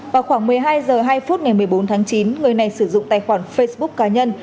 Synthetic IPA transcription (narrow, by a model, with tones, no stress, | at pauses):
vaː˨˩xwaː˧˩ŋmɨ˨˩əjɦaː˧jzəː˨˩ɦaː˧jfu˦˥t̚ŋa˨˩jmɨ˨˩əjɓo˨˦nt̪ʰaː˨˦ŋt͡ɕi˨˦nŋɨ˨˩əjna˨˩jsɨ˧˩zʊ̰˧˨ŋ͡mt̪a̰ː˧˨jxwaː˧˩nfə˧jsɓʊ˦˥k̚kːaː˨˧˦ɲə˧n